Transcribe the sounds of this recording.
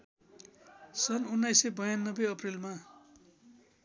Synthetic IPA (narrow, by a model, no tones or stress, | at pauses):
sʌnunːajsebʌjanːʌbeʌprilma